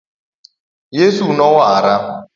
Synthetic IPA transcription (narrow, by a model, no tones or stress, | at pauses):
jesunɔwaaɾa